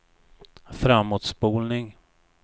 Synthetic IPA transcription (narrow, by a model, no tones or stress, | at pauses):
fɾamːuːt̪spuːlnɪŋ